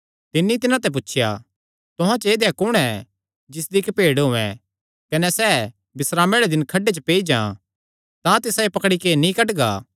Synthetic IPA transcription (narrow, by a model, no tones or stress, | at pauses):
t̪ɪnːit̪ɪnãt̪ɛp̬ʊtːʃʰja̰ | t̪ʊɦãt͡ʃeːd̪jakʊɽ̃ɛ | d͡ʒɪs̬d̪ikpeːɽɦʊɛ̰̃ | kɐnɛsɛ | bɪsɾaːmeɽɛd̪ɪnkʰɐɖet͡ʃəpeːid͡ʒã̰ | t̪ãt̪ɪsãepɐkɽikenĩkɐʈɡa̰ː